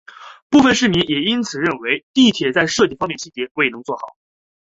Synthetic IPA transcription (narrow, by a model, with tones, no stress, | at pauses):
pu˥˧fə˥˧nʂɻ̩˥˩mi˧˥ŋjɛ˨˩i˥nt͡sʰɹ̩˨˩ɻə˥˩nwe˧˥ɪt̪i˥˩t̪ʰjɛ˨˩t͡sa˥˧ɪʂɤ˥˧t͡ɕi˥˩fɑ˥ŋmjɛ˥˧nɕi˥˩t͡ɕjɛ˧˥kʰɤ˧˥i˨˩nɤ˧˥ŋt͡swɔ˥˩xɑ˨˩˦